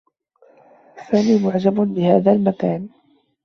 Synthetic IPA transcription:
saːniːmʊʕd͡ʒabbɪhaːðalmakaːn

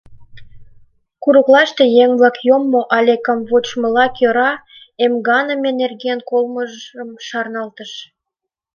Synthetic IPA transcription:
kuɾuklɑʃt̪e̽jeŋblɑkjomːoʔɑlʲekə̆mβot͡ɕmə̆lɑkjøɾɑ | emɡɑnə̆menerɡiənkolməʒəmʃɑrnɑlt̪əʃ

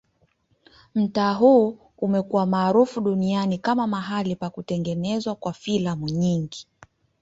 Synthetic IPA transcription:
m̩taːɦu | umɛkuwamaːɾufuɗunianikamamaɦalipakutɛŋɡɛnɛzwakwafilamuɲiŋɡi

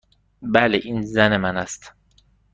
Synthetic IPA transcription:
bæleʔinzæne̞mænæst̪

